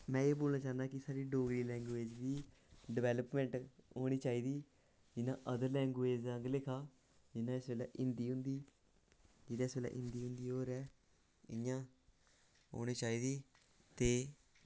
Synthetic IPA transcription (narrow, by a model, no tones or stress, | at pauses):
mɛ̃ːeːboːlnaːt͡ʃaːnd̪aːkɪsaːɾiːɖoːɡliːlɛ̃ːŋɡʋeːd͡ʒd̪iːɖɪʋɛːləpmɛ̃ːɳʈoːɽ̃iːt͡ʃaːiːd̪iː | d͡ʒɪnãːʔəd̪əɾlɛ̃ːŋɡeːd͡ʒəŋɡlɪkʰaː | d͡ʒɪnãːɪsʋeːla̰ːʔɪnd̪iːɦʊ̃nd̪iː | d͡ʒɪd̪aːɪsʋeːla̰ːʔɪ̰̃nd̪iːɦʊ̃nd̪iːɦoːɾɛː | ɪjãː | ɦo̰ːɽ̃iːt͡ʃaːiːd̪iː | t̪eː